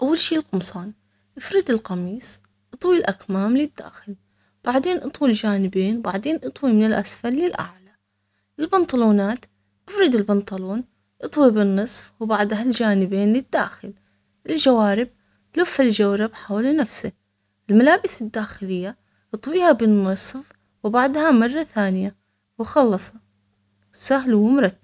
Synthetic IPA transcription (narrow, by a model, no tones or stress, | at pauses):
ʔawːalʃiːlqʊmsˤɑːn | ʔɪfɾɪd̪ɪlqɑmiːsˤ | ʔɨt̪ˤwilʔakmaːmlɪd̪̥ːa̰ːxɪl | b̥aʕd̪eːnʔɨt̪ˤwild͡ʒaːnɪbeːnbaʕd̪eːnʔɨt̪ˤwimɪnɪlʔasfalːɪlʔa̰ʕla | ʔɪlbɪnt̪ˤɑluːnaːt̪ | ʔɪfɾɪd̪ɪlbɪnt̪ˤɑluːn | ʔɨt̪ˤwibɪnːɨsˤfwbaʕd̪ɦald͡ʒaːnɪbeːnlɪd̪ːa̰ːxɪl | ʔɪld͡ʒawaːɾɪb̚ | lʊfːald͡ʒawɾɪbħaːwlanafsɪ | ʔɪlmalaːbɪsɪd̪ːaːxɪlɪjːa | ʔɨt̪ˤwiːhabɪnːɨsˤf | wbaʕd̪hamɑrˤːɑθaːnɪja | wxɑlːɑsˤɑ | sahlwɪmɾˤɑt̪ː